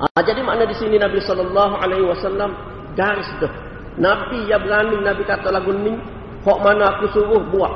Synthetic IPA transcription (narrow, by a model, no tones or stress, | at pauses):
ʔad͡ʒadimaʔnadisininabisɔlːɔlːɑɦʔalaɦiwasalːam | ɡaɾɪsdəh | nabijabəɾanɪŋnabikat̪alaɡunɪŋ | hɔʔmanakusuɾʊhbuaʔ